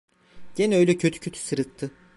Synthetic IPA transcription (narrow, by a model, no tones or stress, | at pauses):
ɟ̥enɛøjlʲɛcʰø̞t̪ʰy̥cʰø̞t̪ʰy̥sɯɾɯt̪ʰːɯ